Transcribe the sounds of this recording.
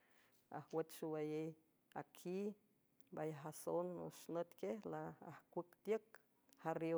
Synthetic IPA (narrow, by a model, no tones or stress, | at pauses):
a̰hwet͡ʃ̪ʃuwajej | akʰi | bajaɦasonṵʃnət̪kehlaːhkʷəkt̪jək̚ | haɾjo